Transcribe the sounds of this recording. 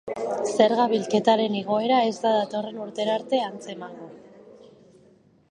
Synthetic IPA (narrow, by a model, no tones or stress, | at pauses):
se̞ɾɣaβilke̞t̪aɾe̞niɣ̞o̞e̞ɾae̞zt̪aðat̪o̞re̞nuɾt̪e̞ɾaɾt̪e̞ant͡se̞maŋɡo